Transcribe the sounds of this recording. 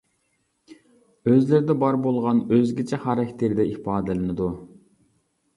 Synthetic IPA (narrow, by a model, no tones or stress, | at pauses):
øzlɪɾɪd̪ɛbɑɾbolˠʁɑnøzɡʲet͡ʃʰɛχɑɾɛkʲt̪ʰɪɾd̪ɛipɑːd̪ɨlˠɨnɨd̪u